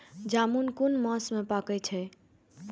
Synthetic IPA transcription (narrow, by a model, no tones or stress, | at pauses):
d͡ʒamunkunməsmepakɛt͡ʃʰɛ